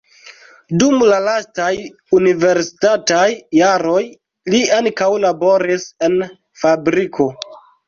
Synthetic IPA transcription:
dumlalastaj | unive̞ɾsi̥tatajːaɾo̞j | liaŋkawlabo̞ɾise̞n | fabɾikʰo̞

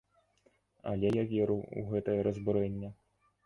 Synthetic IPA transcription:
ɐ̰lʲɛjavʲɛɾɨwṵɣɛt̪ɐjɐɾɐzbɨɾɛnʲːɛ

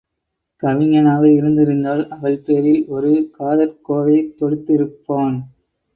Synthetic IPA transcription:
kɐʋɪŋɐnaːɣɐɪɾɯnd̪ɪɾɯnd̪aːlɐʋɐɭpeːɾɪlɔɾɯkaːðɐɾkoːʋɐɪt̪ɔɽɯt̪ːɪɾɯpːoːn

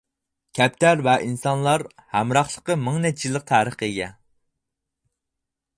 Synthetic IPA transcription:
kʲʰɛp̚t̪ʰæɾvɛʔinsɑnlˠɑɾhæmɾɑχlˠəqəmɪŋnɛt͡ʃʰilˠːəq̚t̪ʰæːɾəχeɡʲɛ

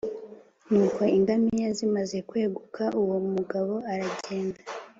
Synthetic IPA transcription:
nuːkwoiŋɡamijazimaze̞kwe̞ːɡukʰaʔuwomuɡaβo̞aɾaɟe̞ːndḁ

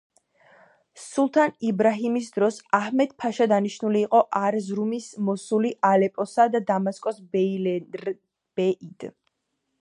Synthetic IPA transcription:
sulˠt̪ʰanibɾaɦimis̬d̪ɾɔsahmɛd̪̥̚pʰaʃad̪aniʃnuliːqʼɔʔaɾzɾumismɔsuliʔalɛpʼɔsad̪ad̪amaskʼɔsb | b̥ɛid̪̥

